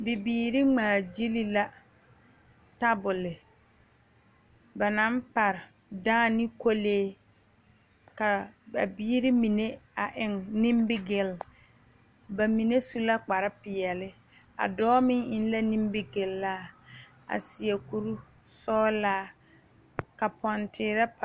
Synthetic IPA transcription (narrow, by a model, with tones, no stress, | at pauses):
bɪ˨biː˨˦ɾɪ˦ŋ͡maː˨d͡ʒi˦li˦la˦ | ta˦bʊ˨lɪ˨ | ba˨na˦mpa˨ɾɪ˨ | daː˦nɪ˦ko˦leː˦ | ka˨ba̰˨biː˦ɾi˦mi˨ne˦a˨ʔɪ˨ŋni˦mbɪ˦ɡɪ˨l | ba˨mi˨ne˦su˦la˦k͡pa˨ɾɪ˦pɪ˨jɛ˨lɪ˦ | a̰˨dɔː˦mɪ˦ŋɪ˦n˦la˦nĩ˦mbɪ˦ɡɪ˨lːaː˦ | a̰˨sɪ˨ɛ˨ku˨ɾu˦ | sɔː˦laː˦ | ka˨pɔ˨ntɪː˨˦ɾa˦p